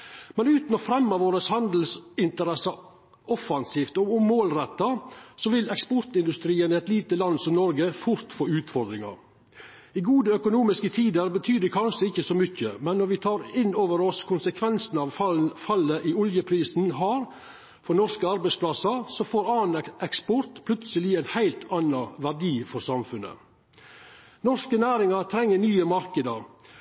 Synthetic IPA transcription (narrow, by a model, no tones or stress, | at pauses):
mɛnʉːt̪n̩ɔfɾɛmːəʋoːɾəshɑnd̪l̩sɪnt̪əɾɛsɑ | ʔɔfɑnsiːft̪ɔʊmmoːlɾɛt̪ːɑsɔʋɪlɛkspɔɾt̪ɪnd̪ʉst̪ɾiːənəɛt̪liːt̪əlɑnsɔmnɔɾɡəfʊɾt̪foːʉːt̪fɔɾd̪ɾɪŋɑ̰ɾ | ɪɡuːd̪əœkʊnuːmɪskət̪ʰiːd̪əɾbət̪ʰyːd̪əkʰɑnʂəɪçːəsɔmʏçːəmɛnːɔɾʋɪt̪ʰɑːɾɪnːoːʋəɾɔskʰʊnsəkʰʋɛnsn̩ɑːʋfɑfɑlːəʔiʊljəpʰɾiːsn̩ɦɑːɾ | fɔnɔʂkəɑɾbæɪsplɑsɑsɔfoːɾɑːnʔɛkspɔɾt̪pʰlʉt̪səlɪæɪnhæɪlt̪ʰɑnɑʋæɖiːfɔɾsɑmfʉnə̰ | nɔʂkənæːɾɪŋɑɾt̪ʰɾɛŋːənyːəmɑɾkəd̪ɑɾ